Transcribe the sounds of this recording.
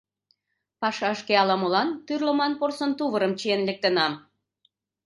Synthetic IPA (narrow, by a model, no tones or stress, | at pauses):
pɑʃɑəʃkeɑlɑmolɑnt̪yrləmɑnporsənt̪uβəɾəmt͡ɕienlek̚t̪ənɑm